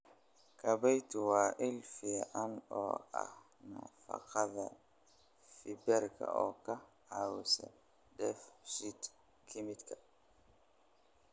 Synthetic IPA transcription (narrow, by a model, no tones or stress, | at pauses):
kabajt̪uwaːʔilfiʔanɔ̰a̰h | na̰fa̰qaðɛ | fibɛɾkʰa̰ɔka | awisɛ̰ | dɛfʃit̪ | kʰimit̪kʰa